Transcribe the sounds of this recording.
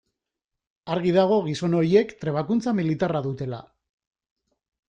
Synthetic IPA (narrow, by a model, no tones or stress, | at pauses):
aɾɣ̞iðaɣ̞o̞ɣ̞iso̞no̞ɾie̞kt̪ɾe̞β̞akunt͡samilit̪araðut̪e̞la̰